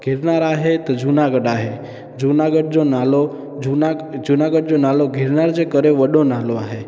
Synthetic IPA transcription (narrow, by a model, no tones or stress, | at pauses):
ɡʱiɾnaɾaɦet̪od͡ʒunaɡəɖaɦe | d͡ʒunaɡəɖ̚d͡ʒonalo | d͡ʒuad͡ʒunaɡəɖd͡ʒonaloɡʱiɾnaɾd͡ʒekəɾeʋəɗonaloaɦe